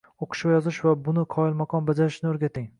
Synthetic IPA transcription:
oqʰɨ̥ʃvajɒzɪʃvabʊnɪqʰɒɪlˠmaqʰɒnbad͡ʒaɾɪʃnɪoɾɡʲat̪ʰɪŋ

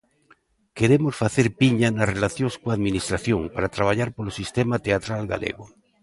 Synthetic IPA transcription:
keɾemosfaθeɾpiɲanarelaθjoskoaðminist̪ɾaθjoŋpaɾat̪ɾaβ̞aʎaɾpolosist̪emat̪eat̪ɾalɡa̰lḛɣo

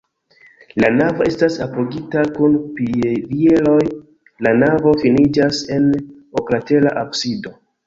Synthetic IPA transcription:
lanavo̞e̞stasapoɡitakunpivie̞lo̞j | lanavo̞finid͡ʒase̞n | oklate̞laʔapsido̞

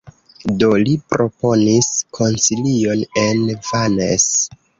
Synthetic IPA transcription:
do̞lipɾo̞po̞niskʰo̞nsilio̞ne̞nvanḛs

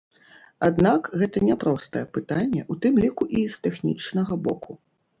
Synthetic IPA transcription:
ad̪nakɣɛt̪ɐnʲɛpɾɔst̪ɐjɛpɨt̪anʲːɛʔut̪ɨmlʲikuʔist̪ɛxnʲḭt͡ʂnɐɣɐbɔkʰu

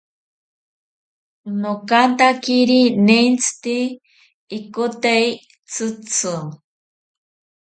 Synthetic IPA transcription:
nokant̪akiɾineint͡sʰɨ̥t̪iː | kot̪ei | t͡sʰɨt͡sʰɨ

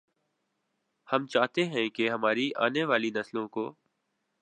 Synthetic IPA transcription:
hɐmt͡ʃaːɦt̪eɦɛ̃keɦɐmaːɾiʔa̰ːneʋaːlinɐslõkoː

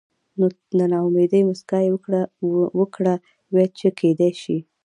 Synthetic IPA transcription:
no | d̪ənɑmed̪əjmʊskɑje | wəkɽa | wet͡ʃekʰed̪ajʃi

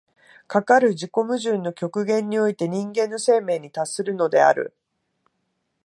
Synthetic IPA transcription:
kakaɾɯ̟d͡ʑiko̞mɯ̟ʑɨ̃nːo̞kʲo̞kɯ̟ɡẽ̞ɲ̟ːio̞it̪e̞ɲ̟ĩŋɡẽ̞nːose̞ːme̞ːɲ̟ːit̪asːɨɾɯ̟no̞d̪e̞̰a̰ɾɯ̰

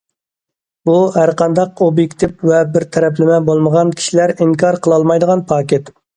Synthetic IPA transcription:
buɦæɾqʰɑnd̪ɑqobjekʲt̪ʰɪpvɛbɪɾt̪ʰɛɾɛplɪmɛbolˠməʁɑnkʲʰi̥ʃilæɾiŋkʰɑɾqʰəlˠɑlˠmɑjd̪əʁɑnpʰɑːkʲet̪

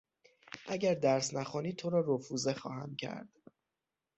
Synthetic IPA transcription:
ʔæɟæɾd̪æɾsnæxɔːniːt̪ʰoɾɒːɾofuːzexɒ̰ːhæ̰mcʰæ̰ɾd̪̥

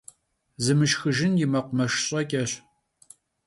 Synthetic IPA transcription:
zɨmɨʃxɨʒɪnjɪmɐqʷʊmɐʃɕʼɐkʲʼɐɕ

